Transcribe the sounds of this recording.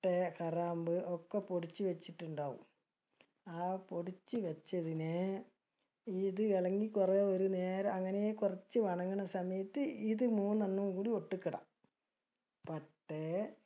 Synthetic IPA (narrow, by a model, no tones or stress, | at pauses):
ʈːekɐraːmbɨʔokːepoɽit͡ɕːuʋɐt͡ɕːiʈːuɳɖaːʋṵm | aːpo̞ɽit͡ɕːuʋɐt͡ɕːɐðine | iðɨiɭɐŋːikureːoɾuneːɾɐɐŋːɐnejekurɐt͡ɕːɨʋɐɳɐŋːɐɳɐsɐmɐjɐt̪ːɨiðɨmuːnːɐnːuumkuːɽio̞ʈːukːiɽɐ̰ | pɐʈːe